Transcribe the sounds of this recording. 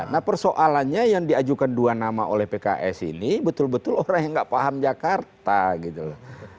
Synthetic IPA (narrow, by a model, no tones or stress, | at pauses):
nahpərsoʔalanɲajaŋdiad͡ʒukanduanamaʔo̰lɛhpeka̰ʔɛsḭnibət̪ʊlbət̪ʊloɾaŋjaŋɡaʔpaɦamd͡ʒakart̪aɡit̪ula